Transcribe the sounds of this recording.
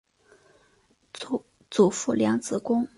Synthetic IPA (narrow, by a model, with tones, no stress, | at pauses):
t͡su˨˩fu˥˩ljɑ˧˥ŋt͡sɹ̩˨˥kʊ˥ŋ